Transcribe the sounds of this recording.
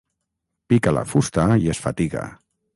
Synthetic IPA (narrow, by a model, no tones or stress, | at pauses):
pikala̰fust̪aiesfat̪iɣa̰